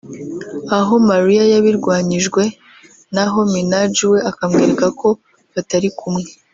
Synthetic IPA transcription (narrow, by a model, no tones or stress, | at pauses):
aɦo̞maɾiajaβiɾɡwaːɲiʒɡwe̞ | naɦo̞minad͡ʒiwe̞akamɡiːɾekako̞ | βataɾikʰumŋe̞